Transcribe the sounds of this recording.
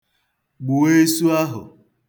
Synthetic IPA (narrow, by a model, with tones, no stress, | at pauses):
ɡ͡bu˨e˦su˦a˦ɦʊ̰˨